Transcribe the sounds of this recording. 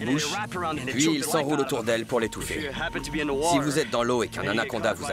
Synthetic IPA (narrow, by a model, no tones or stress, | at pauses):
buʃpɥiːlsɑ̃ʁulot̪uʁd̪ɛlpuʁlet̪ufḛtʰsivuzɛt̪̚d̪ɑ̃loekɛ̃nanakɔ̃d̪avuza